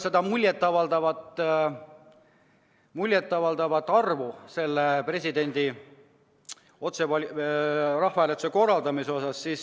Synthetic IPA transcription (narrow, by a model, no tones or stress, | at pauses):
se̞d̪ɑmulʲjet̪ːˑɑvɑld̪ɑvɑt̪ːˑ | mulʲjet̪ːˑɑvɑld̪ɑvɑt̪ːˑɑrvuse̞lːepre̞sʲid̪e̞nʲd̪̥i | o̞t̪sevɑlirɑhfɑeːlet̪u̥seko̞rːɑld̪ɑmiseo̞sɑsːiːs